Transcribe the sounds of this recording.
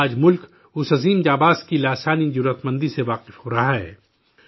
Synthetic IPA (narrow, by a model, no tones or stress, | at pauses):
aːd͡ʒmʊlk | ʊsɐziːmd͡ʒaːbaːzkilaːsaːnid͡ʒuɾət̪mə̃nd̪iseʋaːqɪfhoːɾɐɦaɦɛ̰ː